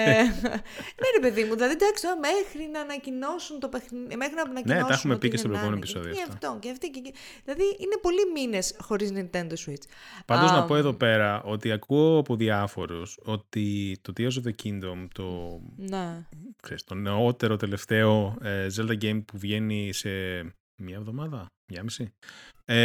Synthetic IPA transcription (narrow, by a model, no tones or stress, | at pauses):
neɾepeðimuðilɐðid̪ɐkst̪oɐmexɾinɐːnɐcino̞sunt̪o̞pexmexɾinɐnɐnnet̪ɐeumepicestobɾjɣumenoepisoðioɐft̪oceɐft̪ice | ðilɐðiʔine̞po̞limine̞sxo̞ɾiznint̪e̞nd̪o̞swit͡spɐnd̪oznɐpo̞e̞ðo̞pe̞ɾɐʔo̞t̪iɐkuoɐpo̞ðiɐfo̞ɾuso̞t̪it̪o̞t̪iɐz̬oðocʰind̪o̞mt̪o̞nekseɾist̪o̞neot̪e̞ɾo̞t̪e̞le̞ft̪e̞o̞ezeld̪ɐɟejmpuvʝe̞nise̞ | mɲɐevðo̞mɐðɐmɲɐmisie